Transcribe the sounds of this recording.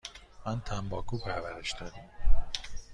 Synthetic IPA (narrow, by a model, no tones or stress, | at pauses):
mænt̪ʰæmbɒːkʰuːpʰæɾvæɾeʃd̪ɒːd̪im